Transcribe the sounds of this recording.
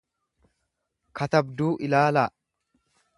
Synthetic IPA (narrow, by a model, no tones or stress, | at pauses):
kɐt̪ɐbd̪uːʔɪlaːlaː